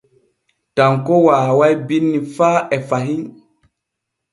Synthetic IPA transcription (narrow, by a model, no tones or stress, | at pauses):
taŋkowaːwajbinːifaːɛfaɦin